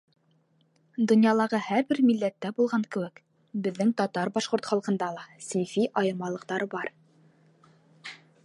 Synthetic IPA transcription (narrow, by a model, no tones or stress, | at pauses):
d̪ŏnjɑlˠɑʁɤhæɾbɘɾmilːæt̪ːæbulˠʁɑŋkɘ̆wɘk | bɘ̆ðːɘŋt̪ɒt̪ɑɾbɑʃqŏɾt̪χɑlˠqɤ̆nd̪ɑlˠɑsinfiʔɑjɤ̆ɾmɑlˠɤ̆qt̪ɑɾɤbɑɾ